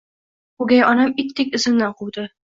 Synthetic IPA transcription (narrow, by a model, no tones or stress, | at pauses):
ʊɡʲajɒnamɪkʲt̪ʰekʲɪzɪmnaqʰuwd̪ɪ